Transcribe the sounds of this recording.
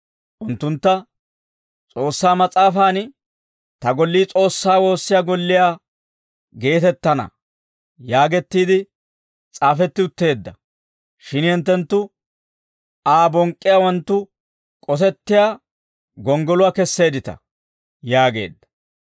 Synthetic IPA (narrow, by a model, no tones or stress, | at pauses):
ʔʊnt̪ːʊnt̪ːɐ | t͡sʼo̞ːsːaːmɐt͡sʼaːfaːn | t̪ɐɡɔlːiːt͡sʼo̞ːsːaːwo̞ːsːɪjaːɡɔlːɪjaː | ɡe̞ːt̪ɛt̪ːɐnɐ̰ | jaːɡɛt̪ːiːd̪ɪ | t͡sʼaːfɛt̪ːɪʊt̪ːe̞ːd̪ːɐ | ʃɪnhɪnt̪̬ːɛnt̪ːʊ | aːbɔŋkʼːɪjaːwɐnt̪ːʊ | kʼɔs̬ɛt̪ːɪjaː | ɡɔŋɡɔlʊwakɛsːe̞ːd̪ɪt̪ɐ̰ | jaːɡe̞̰ːd̪ːɐ̥